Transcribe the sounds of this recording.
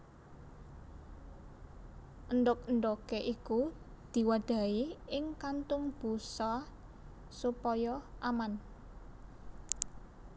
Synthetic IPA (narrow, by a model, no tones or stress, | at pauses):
ʔənɖʊk̚ənɖ̪ɔkeʔiku | d̪̥i̤waɖ̥a̤iɪŋkant̪ʊŋb̥ṳsɔ | supɔjɔʔaman